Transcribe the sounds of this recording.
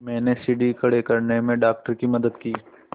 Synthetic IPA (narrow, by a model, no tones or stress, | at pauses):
mɛ̃ːnesiːɖikɐɽekɐɾnemẽɖaːk̚ʈəɾkimɐd̪əd̪kiː